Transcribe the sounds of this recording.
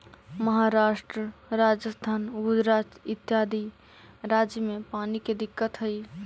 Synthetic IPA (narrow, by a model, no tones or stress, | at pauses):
məɦaɾaʃʈɾəɾad͡ʒəst̪ʰaːnʊd̪ɾatɪt̪jaːd̪ʱi | ɾad͡ʒjəmepaniked̪ɪkːət̪ɦəi